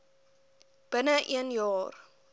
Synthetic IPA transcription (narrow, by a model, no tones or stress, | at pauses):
b̥ənəʔiənjɑːr